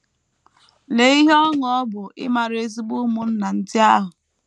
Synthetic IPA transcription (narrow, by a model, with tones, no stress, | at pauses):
le˨˦i˦ɦɔ˦ŋɔ˨˦ɔ˦bʊ˨ɪ̰˦ma˨ɾe˦zi˦bu˦mu˦n̩˦na˨n̩˦dɪ˦a˦ɦʊ˨